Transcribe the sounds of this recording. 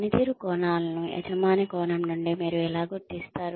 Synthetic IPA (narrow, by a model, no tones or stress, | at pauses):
nit̪iɾukɔːnaːlɐnuɛ̰d͡ʒɐmːaːnikɔːnɐmnuɳɖimiːɾuɛlaːɡuɾt̪ːist̪aːɾu